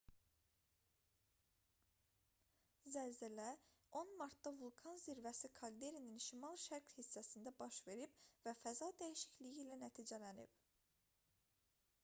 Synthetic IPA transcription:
zælzælæo̞nmɑɾt̪̚d̪ɑvulˠkʰɑnziɾvæsikʰɑld̪e̞ɾininʃimɑlˠʃæɾkhisːæsind̪æbɑʃve̞ɾib̥væfæzɑd̪æjiʃi̥çlijilænæt̪ʰiːd͡ʒælænḭb̥

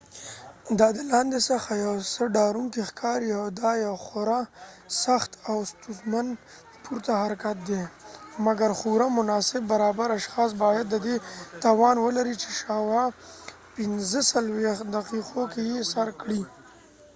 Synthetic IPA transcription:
d̪ɑd̪əlɑnd̪esəxajawsəɖɑɾuŋkixkʰɑɾiawd̪ɑjawxʊɾa | saxt̪awst̪uzmand̪ | pʰuɾt̪ahaɾakat̪̚d̪emaɡaɾxuɾamʊnɑsɪbːaɾɑbaɾaʃxɑs̬bɑjad̪ːəd̪et̪ɑwɑnwəlaɾit͡ʃe̥ʃɑwa | pɪnzəsalwexd̪aqiqokejesaɾkɽi

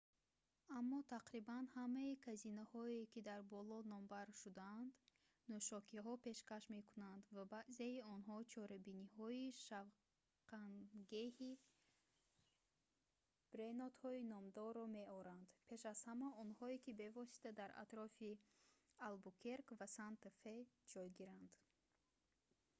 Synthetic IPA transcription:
amːɔt̪ʰaqɾibanhamaikʰazinahɔekid̪aɾbɔlɔnɔmbaɾʃud̪aːnd̪ | nɔʃɔkiɦɔpe̞ʃkaʃme̞kʰunand̪vabaʔzeiɔnɦɔt͡ʃʰɔɾabinihɔiʃav | qanɡehi | b̥ɾenɔt̪hɔinɔmd̪ɔɾːɔmeɔɾand̪pʰe̞ʃaz̥hamaɔnhɔekibe̞vɔsi̥t̪ʰad̪aɾʔa̰t̪ɾɔfi | albukʰeɾkvasant̪fed͡ʒɔjɡiɾand̪̥

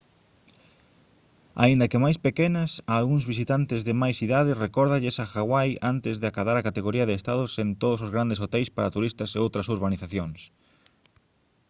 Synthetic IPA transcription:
a̰ind̪ɐkɪmajspekenɐsaːlɣuŋzβisit̪ant̪ɪzðɪmajsiðaðɪrekɔɾðaʎesaxaɣwajant̪ɪzðɪakaðaɾakat̪eɣoɾiɐðeːst̪aðʊsent̪oðʊsozɣɾand̪esot̪ɛjspaɾat̪uɾist̪ɐseowt̪ɾɐsuɾβaniθaθjoŋs

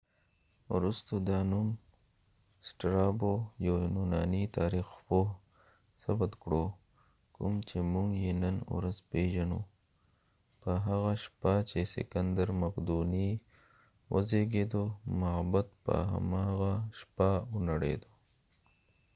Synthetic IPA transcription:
wɾust̪od̪ɑnum | sʈɾɑbojawnunɑnit̪aɾixpo | sabat̪kɽo | kʊmt͡ʃemuŋɡjenən̰ɾazpeʒanṵ | pəɦaɣaʃpat͡ʃesḛkand̪aɾmaqd̪uni | wʔə̰zeɡed̪omabat̪pə̰ɦa̰maɣaʃpaʊnaɽḛd̪o

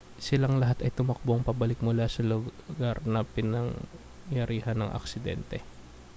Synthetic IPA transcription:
sɪlaŋlɐɦat̪ɐjt̪ʊmɐk̚boŋpɐbɐlɪk̚mʊlasɐlʊɡaɾnɐpɪnɐŋ | jɐɾiːhɐnɐŋʔɐ̰k̚sɪd̪ɛ̰nt̪ɛ

